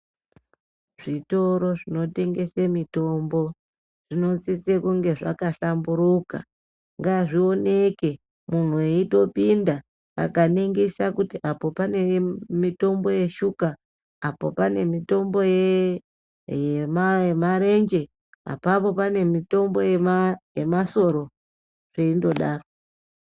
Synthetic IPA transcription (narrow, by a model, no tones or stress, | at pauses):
ʐito̞ɾo̞ʐino̞te̞ŋɡe̞semito̞mbo̞ | ʐ̥ino̞t͡sit͡sekuŋɡe̞ʐa̰kaɬambuɾuka̰ | ŋɡaʐio̞ne̞ke̞ | mun̤ueito̞pinda | a̰kaneŋɡesakutiʔapo̞panemito̞mbo̞je̞ʃukaː | po̞̰pane̞mito̞mbo̞je | jememaɾe̞nd͡ʒe̞ | a̰papo̞pane̞mito̞mbo̞jejemaso̞ɾo̞ | ʐ̥eindo̞ɗaːro